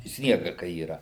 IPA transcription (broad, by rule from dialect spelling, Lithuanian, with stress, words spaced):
ˈsʲnʲiɛɡɐ kɐɪ iːˈrɐ